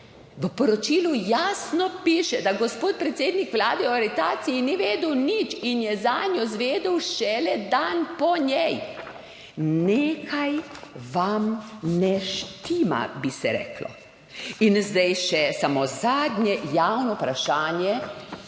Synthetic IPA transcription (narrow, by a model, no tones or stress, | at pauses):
ʋəpɔɾɔt͡ʃiːlujaːsnɔpiːʃɛd̪aɡɔspoːt̪̚pɾɛt̪seːd̪nikʋlaːd̪ɛɔaɾit̪aːt̪sijiniʋeːd̪əwnit͡ʃinjɛzanjɔzʋeːd̪əwʃɛlɛd̪anpɔɲjɛj | neːkʰajʋamnɛʃt̪ima̰bisɛɾɛ̰ːklɔ̰ | inzd̪ajʃɛsamozaːd̪ɲʲɛjawnɔpɾaʃaːnjɛ